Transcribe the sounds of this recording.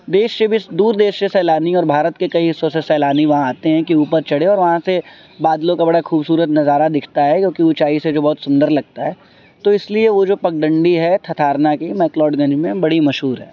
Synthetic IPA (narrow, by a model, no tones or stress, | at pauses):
d̪eːʃsebisd̪uːɾd̪eːʃsesɛːlaːniɔːɾbʱaːɾət̪kekɐiɦɪsːõsesɛːlaːniʋɐɦãaːt̪eɦɛ̃kiuːpəɾt͡ʃɐɽeɔːɾʋɐɦãse | baːd̪lõkabɐɽaxuːbsuːɾət̪nɐzaːɾad̪ɪkʰt̪aɦɛkjõːkiʊt͡ʃaːised͡ʒoːbɔɦːt̪sʊ̃nd̪əɾlɐɡ̚t̪aɦɛː | t̪oɪslieʋod͡ʒoːpɐk̚ɖə̃ɳɖiɦɛt̪ʰɐt̪ʰaːɾnakimɛːklɔːɖɡɐ̃ɲd͡ʒmẽbɐɽimɐʃɦuːɾɦɛ̰ː